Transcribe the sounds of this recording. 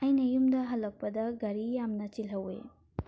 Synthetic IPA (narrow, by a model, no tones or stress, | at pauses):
ajnɐjumdɐɦɐlɐk̚pɐd̪ɐɡɐɾijamnɐt͡ʃilɦɐwḛ